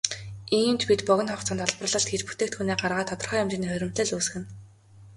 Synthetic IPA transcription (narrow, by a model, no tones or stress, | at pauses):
eŋimt͡ɕpit̪pɔɣʲɞ̆nχɔχt͡sənt̪ɔɮprə̆ɮɞ̆ɬt̪xet͡ɕpu̥t̪ʰeːk̚t̪xuneːɢarʁaːt̪ʰɔt̪ɞ̆rχœːjʊmt͡ɕiːniːχɵɾʲɪ̆m̥t̪ɘ̆ɮuːs̆xɘ̆n